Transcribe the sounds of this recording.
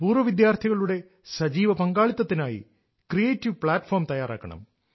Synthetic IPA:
puːrʋɐʋid̪jaːrt̪ʰiɣɐɭuɽe̞ | sɐd͡ʑiːʋɐpɐŋɡaːɭit̪ːɐt̪ːinaːjḭ | krijeːtːiʋpɭaːtːfoːrmt̪ɐjaːraːkːɐɳɐ̰m

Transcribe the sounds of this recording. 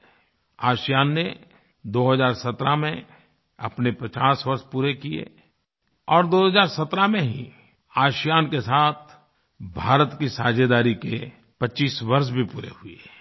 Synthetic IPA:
aːʃjaːnːe | d̪oːɦəzaːɾsɐt̪ɾamẽ | ɐ̰pnepɐt͡ʃaːsʋɐɾʃpuːɾekijḛ | ɔːɾd̪oːɦəzaːɾsɐt̪ɾamẽɦḭ̃ | aːʃjaːnkesaːt̪̚ʰ | bʱaːɾət̪kisaːd͡ʒed̪aːɾikḛ | pɐtːt͡ʃiːsʋɐɾʃ̬bʱipuːɾḛɦʊe

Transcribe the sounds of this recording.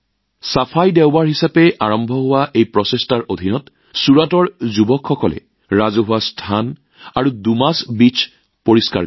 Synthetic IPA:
sapʰajdɛʊbaɹɦisapɛʔaɹɔmbʱɔɦʊwaʔejpɹɔsestaɹʔod̪ʱinɔt | suɹatɔɹzubɔkʰxɔkɔlɛ̰ | ɹazoɦʊwastʰan | aɹudumasbit͡ʃʰ | poɹiska̰

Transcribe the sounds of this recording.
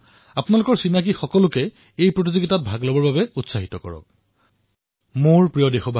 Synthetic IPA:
apʊnalʊkɔɹsinak̬ixɔkɔlʊkɛ | ejpɹot̬izoɡitat̚bʱaɡlɔbɔɹbabɛutsaɦitɔkɔ̰ɹɔ̰k̚ | moɹpɹijɔdexɔbʱa

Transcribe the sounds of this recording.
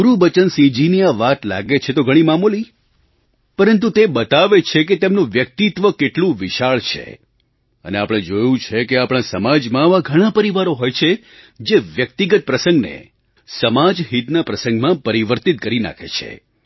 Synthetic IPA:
uɾubət͡ʃənsĩd͡ʒiniaʋat̪la̰ɡet͡ʃʰet̪oɡʱəɽ̃imamoli | pəɾənt̪̬ut̪ebət̪aʋet͡ʃʰeket̪emnũʋjək̚t̪it̪ʋəkeʈlũʋiʃaɭt͡ʃʰḛ | ə̰neapɽ̃ẽd͡ʒojũt͡ʃʰekeapɽ̃ãsəmad͡ʒmãʋaɡʱəɽ̃ãpəɾiʋaɾoɦojt͡ʃʰe | d͡ʒeʋjək̚t̪iɡət̪̚pɾəsəŋɡnḛ | səmad͡ʒɦit̪napɾəsə̃ŋɡmãpəɾiʋəɾt̪it̪̚kəɾina̰kʰḛt͡ʃʰḛ

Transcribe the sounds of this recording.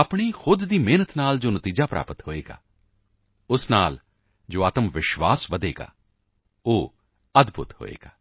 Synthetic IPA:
əpɳ̃iːxʊd̪ːiːmeːnət̪naːld͡ʒoːnət̪iːd͡ʒaːpɾa̰ːpət̪ɦoːeːɡa̰ː | ʊsnaːl | d͡ʒoːaːt̪əmʋɪʃʋaːsʋəd̪eːɡa̰ː | oː | əd̪bʱʊ̰t̪ho̰ːḛːɡ̥aː

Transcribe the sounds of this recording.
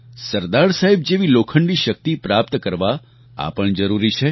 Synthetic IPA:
səɾd̪aɾsaɦeb̚d͡ʒeʋilokʰəɳɖiʃək̚t̪ipɾapt̪kəɾʋa | a̰pəɳd͡ʒəɾuɾit͡ʃʰe

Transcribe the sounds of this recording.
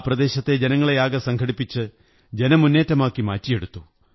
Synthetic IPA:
prɐd̪e̞ːɕɐt̪ːe̞d͡ʑe̞nɐŋːɐɭejaːɡɐsɐŋkʰɐɽipːit͡ɕːɨ | d͡ʑe̞nɐmunːe̞ːtːɐmaːkːimaːtːije̞ɽut̪ːu

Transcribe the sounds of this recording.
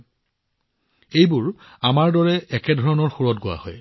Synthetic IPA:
ejbʊɹ | amaɹdɔɹɛɛkɛdʱɔɹɔnɔɹxuɹɔt̚ɡʊwa̰hɔ̰j

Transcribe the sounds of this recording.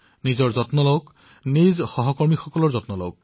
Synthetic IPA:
nizɔɹzɔtnɔlɔk | nizxɔɦɔkɔɹmixɔkɔlɔɹzɔtnɔlɔ̰wk̚

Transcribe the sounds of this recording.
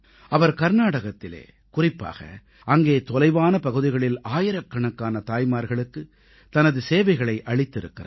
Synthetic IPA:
ɐʋɐɾkɐɾnaːɽɐɣɐt̪ːɪlḛː | kʊrɪpːa̰ːɣɐ̰ | ʔɐŋɡeːt̪ɔlɐɪʋaːnɐpɐɣɯðɪɣɐɭɪlaːjɪɾɐkːɐɳɐkːaːnɐt̪aːjmaːɾɣɐɭɯkːɯ | t̪ɐnɐðɯseːʋɐɪɣɐɭɐɪʔɐɭɪt̪ːɪɾɯ̰kːɪra̰

